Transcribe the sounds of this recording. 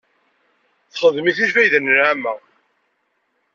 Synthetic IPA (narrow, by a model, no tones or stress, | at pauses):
θχəðmiθiʃfæjðənənʕamːæ